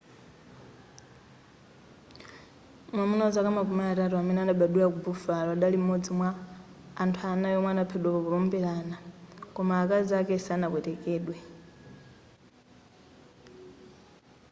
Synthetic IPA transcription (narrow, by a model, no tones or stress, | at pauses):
mwamunaɔzakamakumaatatuamɛnianaɓaɗulak̬ubufalɔaɗalim̩mːɔd͡zimwaː | ntʰuanajɔmwɛanapʰɛɗwakɔβɔlɔmbɛlanakɔmaːkazakɛsaːnakwɛtɛkɛːɗwɛ